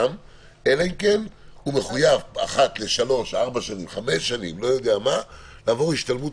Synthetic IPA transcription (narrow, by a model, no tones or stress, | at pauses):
m | e̞laimke̞nhume̞χujava̰χat̪le̞ʃalo̞ʃaʁbaʃanimχame̞sːanimlo̞jo̞d̪eamalaːvo̞ʁiʃt̪almut